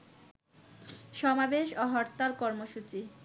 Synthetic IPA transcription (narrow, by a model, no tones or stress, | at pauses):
ʃɔmabeʃoɦɔɾt̪aɾkɔɾmoʃut͡ɕi